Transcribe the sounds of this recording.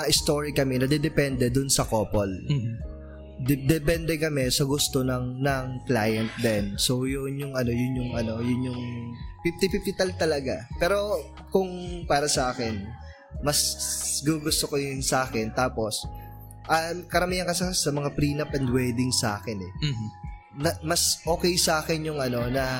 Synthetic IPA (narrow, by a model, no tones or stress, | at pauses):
ʔɪst̪oɹikɐmɛnɐd̪ɛd̪ɛpɛnd̪ɛd̪ʊnsɐkoːpol | d̪d̪ɛpɛnd̪ɛkɐmɛsɐɡʊst̪o̞nɐŋnɐŋklaːjɐnt̪̚d̪ɛnso̞jʊnjʊŋɐno̞jʊnjʊŋʔɐno̞jʊnjʊŋpift̪ɪfift̪it̪ɐlt̪ɐlɐɡapɛːɾo̞ | kʊŋpaːɾɐsɐʔaːkɛn | mɐsɡuɡʊst̪okojɪnsɐʔaːkɛnt̪aːpo̞s | ʔɐmkɐɾɐmiːɐŋkɐsɐsɐmɐŋapɾiːnɐpʔɛnd̪wɛd̪ɪŋsʔaːkɛnɛ | nɐmɐsʔo̞ːkɛjsɐʔaːkɛnjʊŋʔɐno̞nɐ